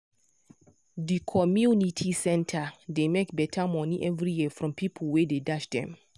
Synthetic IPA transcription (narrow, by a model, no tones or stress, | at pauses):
dikʰɔmjunitʰisɛ̃ntʰademekbɛtʰamɔniʔɛvɹijifɹɔ̃mpʰipʰlwededaʃdɛ̰̃m